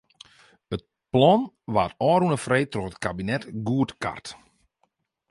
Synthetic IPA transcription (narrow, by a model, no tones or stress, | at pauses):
ət̚ | plɔn | ʋaːtɔːɾunəfrejtrɔxət̚kabinɛtɡuətka̰rt